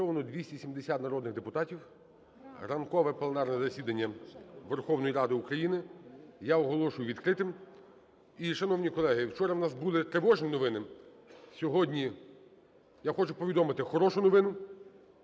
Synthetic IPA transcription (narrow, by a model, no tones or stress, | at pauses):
ɔʋɐnɔd̪ʲʋʲisʲtʲisʲimd̪esʲat̪nɐɾɔd̪nɪɣd̪epʊt̪ɑtʲiw | rɐnkɔʋɛplˠenɑrnɛzɐsʲid̪ɐnʲːɐʋerxɔwnɔjiɾɑd̪ɪukɾɐjinɪjaɔɦɔlˠɔʃʊjʊʋʲid̪kɾɪt̪ɪm | iʃɐnɔwnʲikɔlˠɛɦɪwt͡ʃɔɾɐwnɑsbulˠɪt̪ɾeʋɔʒnʲinɔʋɪnɪ | sʲɔɦɔdʲnʲi | jaxɔt͡ʃʊpɔʋʲid̪ɔmɪt̪ɪxɔɾɔʃʊnɔʋɪnʊ